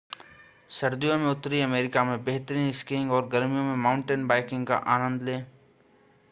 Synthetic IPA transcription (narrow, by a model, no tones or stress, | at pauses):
sɐɾd̪ijõmẽʊt̪ːɾiɐmeːɾɪkamẽbeɦt̪ɾiːnɪskɪ̃ŋɡɔːɾɡɐɾmijõmẽmãːʊ̃ɳʈenbaːɪkɪ̃ŋɡka̰ʔaːnə̃nd̪lẽː